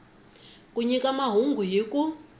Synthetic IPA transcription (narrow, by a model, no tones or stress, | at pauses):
kʼuɲikamaɦuŋɡʱuɦiku